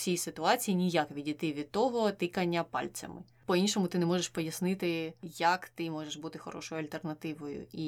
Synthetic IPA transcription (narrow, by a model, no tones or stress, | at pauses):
sʲijsɪt̪ʊɑt͡sʲijinʲijakʋʲidʲit̪ɪʋʲid̪̚t̪ɔɦɔt̪ɪkɐnʲːɐpɑ̰lʲt͡sʲɐ̰mɪ̰ | pɔinʲʃɔmʊt̪ɪnɛmɔʒeʃpɔjɐsnɪt̪ɪjɐkt̪ɪmɔʒeʃbut̪ɪxɔ̰ɾɔ̰ʃɔjʊɐlʲt̪ernɐt̪ɪʋɔjʊ̰i